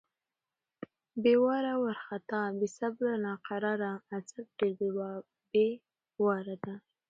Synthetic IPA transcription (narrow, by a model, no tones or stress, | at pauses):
bewɑɾawaɾxat̪ɑbisablanɑqaɾɑɾaːt͡sab̚ɖeɾbewɑ | be | wɑɾad̪a